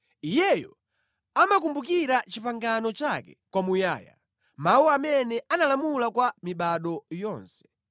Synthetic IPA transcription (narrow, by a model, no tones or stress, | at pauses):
ijɛjɔ | amak̬umbukiɾat͡ʃipaŋɡanɔt͡ʃakɛ̰kwamuja̰ːja̰ | mauamɛnɛʔanalamulakwamiɓaɗɔjɔːnsɛ̥